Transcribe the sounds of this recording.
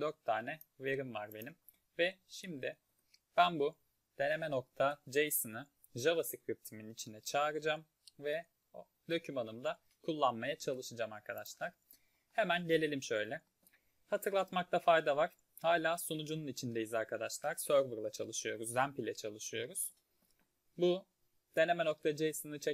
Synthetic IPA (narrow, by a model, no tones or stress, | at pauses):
d̪øɾt̪ʰːaːnɛ | ve̞ɾimvaɾbe̞nim | vɛʃimd̪ɪ | b̥ænbu | d̪̥e̞ne̞mɛno̞k̚t̪ʰad͡ʒejsɯnɯ | ʒavasikɾip̚t̪ʰiminit͡ʃʰind̪ɛt͡ʃʰaːɾɯd͡ʒam | vɛ | o | d̪o̞cʰymanɯmd̪a | kʰulˠːanmajat͡ʃʰalˠɯʃɯd͡ʒamaɾkʰad̪aʃlˠaɾ̥ | hemænɟe̞lʲelʲimʃø̞jlʲɛ | hat̪ʰɯɾlˠat̪mak̚t̪ʰafajd̪avaɾ̥ | haːlʲaːsonud͡ʒununit͡ʃʰind̪ejizaɾkʰad̪aʃlˠaɾ̥søɾvɯɾlˠat͡ʃʰa̰lˠɯʃɯjo̞ɾuzːæmpilʲɛt͡ʃʰalˠɯʃɯjo̞ɾuz̥ | bu | d̪̥e̞ne̞mɛno̞k̚t̪ʰad͡ʒejsɯnɯt͡ʃʰɛ